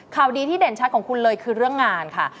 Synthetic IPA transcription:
kʰaː˨˩wdiː˧t̪ʰiː˥˩de˨˩˦nt͡ɕʰa˦˥t̪̚kɔː˩˦ŋkʰu˧nlɤː˧jkʰɯː˧ɾɯ˥˩əŋːaː˧nkʰa˥˩

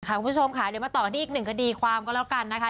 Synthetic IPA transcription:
kʰa˦˥kʰu˧mʰ˦˥t͡ɕʰo˧mkʰaː˧˩˦jdɯː˧˩˦ma˧t̪ɔː˨˩k̪ʰiː˥˨˩k̚nɯ˨˩ŋkʰa˧diː˧kʰwaː˧mkɔː˧˥˩lɛː˦˥˩ka˧nːa˦˥kʰa˦˥

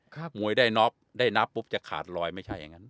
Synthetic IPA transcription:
kʰaː˥˩k̚mu˨˩˦əjdaː˥˩jnɔ˦˥p̚daː˥˩jna˦˥pːu˦˥p̚t͡ɕa˨˩kʰa̰ː˨˩t̪̚lɔː˧jma˥˩jt͡ɕʰa˥˩jːa̰˨˩ŋːa˦˥n

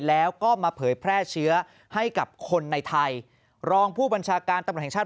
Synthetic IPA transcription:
lɛː˦˥wkɔː˥˩maː˧pʰɤː˩˦jpʰɾɛː˥˩t͡ɕʰɯ˦˥ɐ | ha˥˩jka˨˩p̚kʰo˧nːa˧jt̪ʰa˧j | ɾɔː˧ŋpʰuː˥˩ba˧nt͡ɕʰaː˧kaː˧nt̪a˧mɾt̪̚ʰɛ˨˩t͡ɕaː˥˩

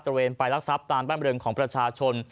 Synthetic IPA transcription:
ɾa˧weː˧npa˧jla˦˥k̚sa˦˥p̚t̪aː˧mbaː˥˩nɾɯ˧ŋkʰɔː˩˦ŋpɾa˧t͡ɕʰaː˧t͡ɕʰo˧n

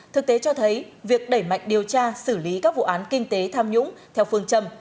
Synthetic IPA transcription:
t̪ʰɨ˨˩k̚t̪e˨˦t͡ɕɔ˧t̪ʰə˨˦jvi˨˩ək̚ɗə˧˩jma̰˧˨jŋ̟ɗi˨˩əwt͡ɕaː˧sɨ˧˩li˨˦kaː˦˥k̚vṵ˧˨ʔaː˨˦nkï˧ŋ̟t̪e˨˦t̪ʰaː˧mɲʊ̰˧˥ŋ͡mt̪ʰɛ˧wfɨ˧əŋt͡ɕə˧m

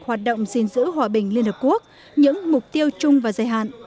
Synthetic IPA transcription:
hwaː˨˩t̚ɗo̰˧˨wŋ͡mzi˧nzɨ̰˧˥ɦwaː˨˩ɓï˨˩ŋ̟li˧ənhəː˨˩p̚ku˦˥ək̚ | ɲɨ̰˧˥ŋmʊ˨˩k͡p̚t̪i˧əwt͡ɕʊ˧ŋ͡mvaː˨˩zaː˨˩jɦa̰ː˧˨nʔ

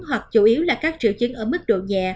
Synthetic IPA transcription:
ɦwa˨˩k̚t͡ɕu˧˩ʔi˨˦əwlaː˨˩kaː˦˥k̚t͡ɕi˧˩əwt͡ɕi˨˦ŋʔəː˧˩mɨ˦˥k̚ɗo̰˧˨ɲaː˨˩

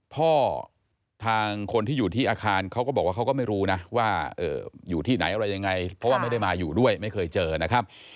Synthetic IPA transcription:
pʰɔː˥˩ | t̪ʰaː˧ŋkʰo˧nt̪ʰiː˥˩juː˨˩t̪ʰiː˥˩ʔaː˧kʰaː˧nkʰa˦˥wkɔː˥˩ɔ˨˩k̚waː˥˩kʰwkɔː˥˩ma˥˩jɾuː˦˥na˦˥waː˥˩ʔɤ̰ː˨˩juː˨˩t̪ʰiː˥˩na̰˩˦jʔa˧ɾa˧jːa˧ŋa˧jpʰɾɔ˦waː˥˩ma˥˩jda˥˩jmaː˧juː˨˩du˥˩əjma˥˩jkʰɤː˧jt͡ɕɤː˧na˦˥kʰa˦˥p̚

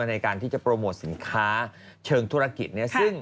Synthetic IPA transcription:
na˧jkaː˧nt̪ʰi˥˩t͡ɕa˨˩pɾoː˧moː˨˩t̪̚si˩˦nkʰaː˦˥ | t͡ɕʰɤː˧ŋt̪ʰu˦˥ɾa˧ki˨˩t̪̚ni˥ɐsɯ˥˩ŋ

